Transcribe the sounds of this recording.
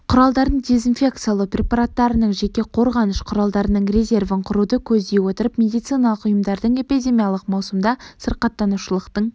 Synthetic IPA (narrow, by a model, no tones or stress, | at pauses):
qʰʊɾɑlˠd̪ɑɾd̪əɴd̪e̞zinfʲe̞kt̪sɨjalˠəprʲe̞paɾat̪ːɑɾənəɴʒe̞kʲe̞qʰo̞ɾʁɑnəʃqʰʊɾɑlˠd̪ɑɾənəɴrʲe̞zʲe̞rvəɴqʰʊɾud̪əkʲʰɵzd̪e̞jwo̞t̪əɾəpmʲe̞d̪ijt̪sijnɑlˠəqʊjəmd̪ɑɾd̪əɴe̞pid̪ʲe̞mʲijalˠəqmɑwsəmd̪ɑsəɾqɑt̪ːɑnuʃəlˠəqt̪əɴ